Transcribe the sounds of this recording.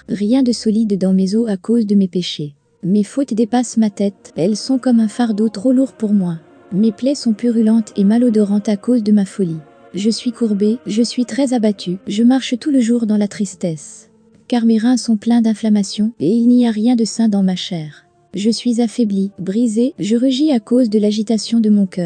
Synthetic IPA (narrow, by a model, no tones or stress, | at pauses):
ʁjɛ̃d̪əsɔlid̪ːɑ̃mezoakozd̪əmepeʃe | mefot̪d̪epasmat̪ɛt̪ɛlsɔ̃kɔmɛ̃faʁd̪ot̪χoluʁpuʁmwa | meplɛsɔ̃pyʁylɑ̃t̪emalɔd̪ɔʁɑ̃t̪akozd̪əmafɔli | ʒəsɥikuʁbeʒəsɥit̪χɛzabat̪ʰyʒəmaʁʃt̪uləʒuʁd̪ɑ̃lat̪χist̪ɛs | kaʁmeʁɛ̃sɔ̃plɛ̃d̪ɛ̃flamasjɔ̃eilniaʁjɛ̃d̪əsɛ̃d̪ɑ̃maʃɛːʁ | ʒəsɥizafɛblibʁizeʒəʁyʒiakozd̪əlaʒit̪asjɔ̃d̪əmɔ̃kʲœːʁ